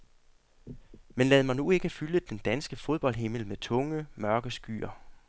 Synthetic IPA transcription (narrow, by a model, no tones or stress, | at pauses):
menlɛːð̩ˠmɑnue̝ɡ̥əfyləd̥end̥ænsɡ̥əfo̝ð̞ˠb̥ɒ̽l̰d̥ɦe̝ml̩met͡sʰɔ̽ŋəmɶɐɡ̥əsɡ̥y̰ːɐ